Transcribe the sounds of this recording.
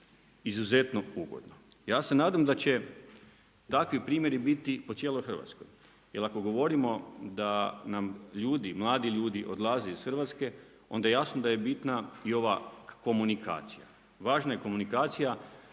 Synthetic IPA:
izuze̞t̪no̞uɡo̰d̪nojaːse̞naːd̪amd̪at͡ɕe̞ | t̪akʋipɾiːmje̞ɾibit̪iposjeːlˠojxr̩ʋa̰t̪sko̰j | jelˠako̞ɡo̞ʋo̞ɾimo̞d̪anamʎuːd̪imlˠaːd̪iʎuːd̪iʔo̞d̪lˠazeisxr̩ʋat̪ske̞ | o̞̰nd̪ajejasnod̪aje̞bit̪naio̞ʋako̞munika̰ːt̪sija | ʋaːʒnajeko̞munikaːt̪sija

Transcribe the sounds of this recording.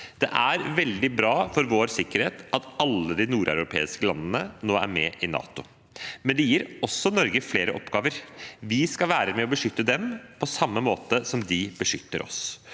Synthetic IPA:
d̪̥ɛ̰ʔæɾʋɛld̪ɪbɾɑːfɔɾʋoːɾsɪkːəɾheːt̪ɑt̪ɑlːəd̪ɪnuːɾʔæ̰ʉɾʊpʰḛːɪskəlɑnːənənoːæ̰ɾmɛːʔɪnɑ̰ːt̪ʊ | mɛnd̪ɛjiːɾɔsːɔnɔɾɡəfleːɾəʔɔpːɡɑːʋəɾʋɪskɑʋæːɾəmɛɔbəʂʏt̪ːəd̪ɛmpʰɔsɑmːəmoːt̪əsɔmd̪ɪb̥əʂʏt̪ːəɾʔɔ̰s

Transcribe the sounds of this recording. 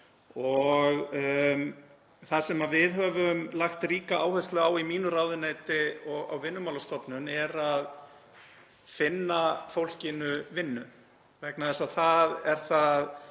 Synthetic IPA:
ɔɣ | θasɛmavɪðɦœvʏmlaxt̪riːkaʔaːwhɛsk̪lœɣawimiːnʏraːwðʏnejt̪ɪɔɣa̰wvɪnːʏmawlast̪ɔpnʏnɛɾað | fɪnːafowl̥cɪnʏvɪnːʏ | vɛknaðɛsaðθaðɛɾ̥θað

